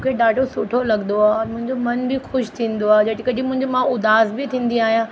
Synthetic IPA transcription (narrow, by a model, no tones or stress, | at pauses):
kʰeɗaːɖʱosʊʈʰolɐɡnd̪oaːɔːɾmʊ̃ɦɪ̃ɲd͡ʑomɐnbɪxʊʃt̪ʰĩːnd̪oaːɦed͡ʑɐɽɪkəd͡ʑimʊ̃ɦɪ̃ɲd͡ʑomãʊd̪aːzbɪt̪ʰĩːn̆d̪iaːɦijãː